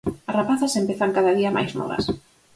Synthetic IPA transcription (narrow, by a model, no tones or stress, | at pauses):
ɐrapaθasempeθaŋkaðɐðiɐmʔa̰jzmɔ̰βɐ̰s